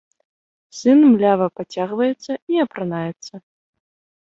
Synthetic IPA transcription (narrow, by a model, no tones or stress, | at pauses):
sɨnmlʲavɐpat͡sʲaɣvɐjɛt̪sːɐiɐpɾanajɛt̪sːɐ